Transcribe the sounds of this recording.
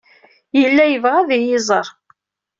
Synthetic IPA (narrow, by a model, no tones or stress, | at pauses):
jəlːæjəvʁaðijɪzˤəɾˤ